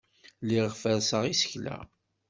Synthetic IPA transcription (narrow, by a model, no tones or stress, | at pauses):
liʁfəɾsəʁisə̥çlæ̰